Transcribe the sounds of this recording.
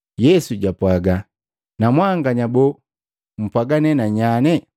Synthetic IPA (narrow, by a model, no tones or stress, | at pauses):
jɛsuɟapwaɡa | namwaŋɡaɲabɔ | m̩pwaɡanɛnaɲanɛ